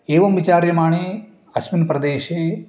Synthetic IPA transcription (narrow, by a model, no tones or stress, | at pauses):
eːʋɐmʋit͡ʃaːɾjɐmaːɳe | ɐsminpɾɐd̪eːʃeː